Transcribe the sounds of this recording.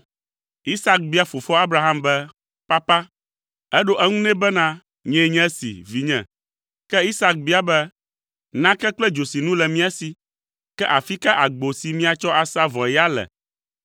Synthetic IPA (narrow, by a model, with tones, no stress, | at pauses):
i˦sa˦k̚bi˦a˦fo˨fɔ˦a˦bɾa˦ɦa˦mbɛ˦ | pa˦pa˦ | ɛ˦ɖo˦ʔɛ˦ŋũ˦nɛ̃˦bɛ˦nã˦ | ɲɛ̃˦ɲɛ̃˦sḭ˨vi˨ɲɛ̰̃˨ | kɛ˦i˦sa˦k̚bi˦a˦bɛ˦ | nã˦kɛ˦k͡plɛ˦d͡ʒo˨si˨nũ˦lɛ˨mĩ˦a˦si˨ | kɛ˦ʔa˨fi˦kɛ˦ʔa˨ɡ͡bo˨si˨mĩ˦a˨t͡ʃɔ˦ʔa˨sa˦vɔ̃˨jɛ˦a˦lɛ̰˨